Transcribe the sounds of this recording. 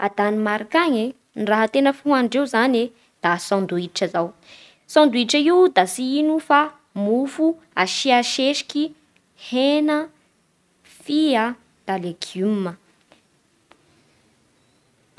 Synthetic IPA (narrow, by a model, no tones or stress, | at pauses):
a̰d̪animaɾakaɲe | niraɦət̪enəfuɦaɳɖ͡ʐewzane | d̪̥asɔ̃nd̪uiʈ͡ʂəzaw | sɔ̃nd̪uiʈ͡ʂəiwd̪asiinufa | mufu | aʃiaʃeʃi̥kʲi | henə | fia | d̪̥aleɡumːə